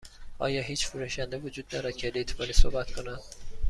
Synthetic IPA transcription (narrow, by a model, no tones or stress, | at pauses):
ʔɒ̰ːjɒːɦiːt͡ʃfuɾuʃænd̪evod͡ʒuːd̪̥nɒːɾæd̪̥̚cʰelet̪ʰbɒːniːsohbæt̪kʰo̞næn̥